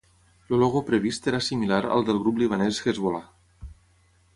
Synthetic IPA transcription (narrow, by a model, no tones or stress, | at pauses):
loloɣopɾeβ̞ist̪eɾasimilaɾə̰lˠd̪elˠɣɾupliβ̞anesɣezβola